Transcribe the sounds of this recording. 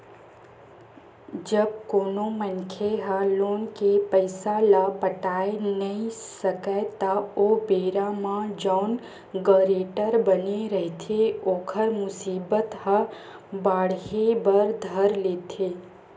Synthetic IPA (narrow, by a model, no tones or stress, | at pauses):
d͡ʒəb̚koːnomənkʰeɦəloːnkepəɪsalapəʈaːenəĩsəkət̪əobeːɾamãd͡ʒaʊn | ɡəɾeːʈəɾbəneɾəɦt̪ʰeoːkʰəɾmʊsiːbət̪həbaːɽɦebəɾd̪ʱəɾleːt̪ʰeː